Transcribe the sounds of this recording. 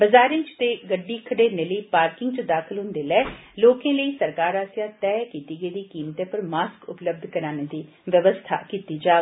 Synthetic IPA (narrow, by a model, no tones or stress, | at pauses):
bəzaːɾɪ̃ːt͡ʃt̪eːɡəɖːiːkʰəɽeːneːləiːpaːɾkɪ̃ŋɡt͡ʃəd̪aːkʰəlɦʊnd̪eːlɛːloːkẽːləiːsəɾkaːɾaːsjãːt̪ɛːkiːt̪iːɡəiːd̪iːkiːmt̪ẽːpəɾmaːskʊpləb̚d̪ʱkəɾaːneːd̪iː | ʋəʋəst̪ʰa̰ːkiːt̪iːd͡ʒaː